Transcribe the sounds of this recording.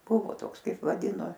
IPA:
ˈbʊʋoː ˈtoːks ˈkɐɪp ʋɐˈdʲɪnoː

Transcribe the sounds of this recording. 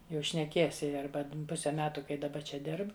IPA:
ˈjɛʊ ʃʲnʲɛˈkʲiɛs ˈjɪ ˈɐrbɐ ˈpʊsʲɛ ˈmʲæːtʊ kɐɪ dɐˈbɐ ˈt͡ʃʲɛ ˈdʲɪrp

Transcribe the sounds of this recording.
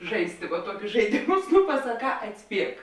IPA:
ˈʒɐɪsʲtʲɪ ʋɐ ˈtuɔkʲʊs ʒɐɪˈdʲeːmʊs nʊ pɐsɐˈkɑː ɐtʲsʲˈpʲiɛk

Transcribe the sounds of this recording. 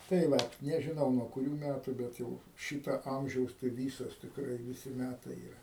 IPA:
tɐɪ ˈʋɐt nʲɛʒʲɪˈnɐʊ nuɔ kʊˈrʲuː ˈmʲætʊ ˈbʲɛt jɛʊ ˈʃʲiːtɐ ˈɐmʲʒʲɛʊs tɐɪ ˈʋʲiːsoːs tʲɪkˈrɐɪ ʋʲɪˈsʲɪ ˈmʲætɐɪ iːˈrɐ

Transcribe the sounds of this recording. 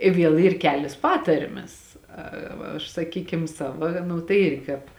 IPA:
ɪ ˈʋʲiɛlˠ ˈiːr ˈkʲæːlʲeːs ˈpɑːtɐrʲmʲɛs ɐ ˈʋɐ ɐʃ sɐˈkʲiːkʲɪm ˈsɑːʋɐ ˈnʊ tɐɪ ˈɪrʲɡʲɪ kɑːp

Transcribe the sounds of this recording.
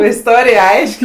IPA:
ɪsˈtoːrʲɪj ˈɐɪʃʲkʲ

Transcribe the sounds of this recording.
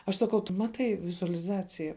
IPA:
ɐʃ sɐˈkɐʊ tʊ ˈmɑːtɐɪ ʋʲɪzʊɐlʲɪˈzɑːt͡sʲɪjɛ

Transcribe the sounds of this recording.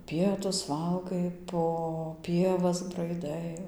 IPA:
ˈpʲiɛtʊs ˈʋɐlˠɡɐɪ poː ˈpʲiɛʋɐs brɐɪˈdɐɪ

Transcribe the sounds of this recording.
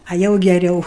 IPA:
ɐ ˈjɛʊ ɡʲɛˈrʲɛʊ

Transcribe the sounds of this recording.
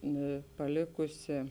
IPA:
ˈnʊ pɐˈlʲeːkʊsʲɪ

